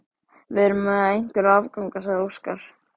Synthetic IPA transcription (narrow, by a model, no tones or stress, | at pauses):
vɪðɾʏmɛðaejŋ̥kʏɾavkawŋkas̬ɛðowskaɾ̥